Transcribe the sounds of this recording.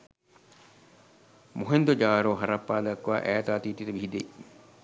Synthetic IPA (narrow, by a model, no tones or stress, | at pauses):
moɦend̪od͡ʒaːɾoːɦɐɾɐpːaːd̪ɐkːwa̰ːʔɛːt̪aːt̪iːt̪it̪ɐbihid̪e